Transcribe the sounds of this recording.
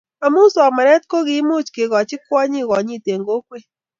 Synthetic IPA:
a˨mu˦so˨a˨ma˨nɛ˦t̪̚ko˦ɡɪ˨˦mu˦t͡ʃkɪ˨ɣɔ˨t͡ʃɪ˦kwa˦ɲi˦˨ɣɔ˨ɲi˦˨te˨ŋɡo˦kwe˦

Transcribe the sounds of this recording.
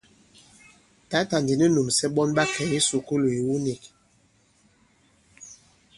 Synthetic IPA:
ta˨˦ta˨ndi˨ni˦nu˨msɛ˦ɓɔ˦nɓa˦kɛ˨ji˦su˨ku˦lo˨i˨wu˦ni˨k

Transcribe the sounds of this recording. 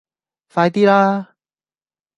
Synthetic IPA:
faː˧jt̪iː˥laː˦˥

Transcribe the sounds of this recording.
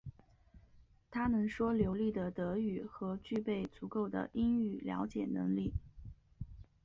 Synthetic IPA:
t̪ʰa˥nə˨˩nʂwɔ˥ljo˧˥ʊli˥˩d̪ə˩t̪ɤ˧˥y˨˩xɤ˧˥t͡ɕy˥˧pe˥˩ɪt͡su˧˥ko˥˩ʊd̪ə̰˩ʔi˥ny˥˩ljɑ̰˧˥ʊt͡ɕjɛ̰˨˩nɤ̰˧˥ŋli˥˩

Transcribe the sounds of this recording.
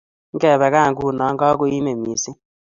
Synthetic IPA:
ŋ̩˦ɛ˦˨βɛ˨ka˦˨ŋɡu˦˨nɔ˨˦ŋ˦ɡɔ˦ku˦i˦me˨mi˨si˦

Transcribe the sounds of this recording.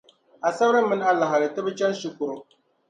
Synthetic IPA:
a˨sa˦ɾɨ˦mɨ˦n˦a˦la˨ɦa˨ɾɨ˨tɨ˦bɨ˦t͡ʃa˦n˦ʃi˦kʊ˨ɾʊ˨

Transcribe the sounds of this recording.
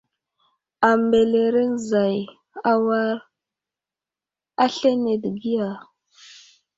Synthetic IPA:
a˨mbe˨le˨ɾe˦n˦za˨j | a˦wa˦ɾ | a˦ɬe˦ne˨dɡi˦ja˨

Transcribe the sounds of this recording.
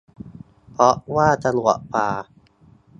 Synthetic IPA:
pɔ˦˥ʔwaː˥˩t̪a˧nwɔ̰˨ʔpaː˧

